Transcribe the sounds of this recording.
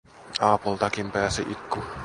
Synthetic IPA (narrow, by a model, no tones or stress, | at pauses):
ɑːpult̪ɑkimpæːsḭʔikːu